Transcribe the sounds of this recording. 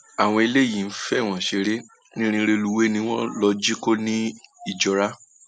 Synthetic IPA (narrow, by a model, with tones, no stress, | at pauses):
a˨w̃ɔ̃˧i˧le˦˨jĩ˨n̩˦fɛ˦˨w̃ɔ̃˨ʃe˧ɾe˦ | nĩ˦ɾ̃ĩ˧˦˧ɾe˧lu˧we˦nĩ˧w̃ɔ̃˦lɔ˧d͡ʒi˦ko˦nĩ˦i˦˨d͡ʒɔ˨˦ɾa˦